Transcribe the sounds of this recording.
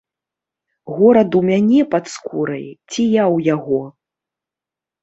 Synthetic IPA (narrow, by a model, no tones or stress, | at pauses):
ɣɔɾɐd̪umʲanʲɛpat̪skʰuɾɐ̰jt͡sʲijawjaɣɔ